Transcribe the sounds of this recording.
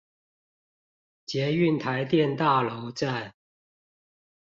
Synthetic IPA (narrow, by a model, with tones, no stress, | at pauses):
t͡ɕjɛ˨˦y˥˨nt̪ʰa˧˦ɪt̪jɛ˥˨nt̪a˥˨lo˨˦ʊʈ͡ʂa˥˨n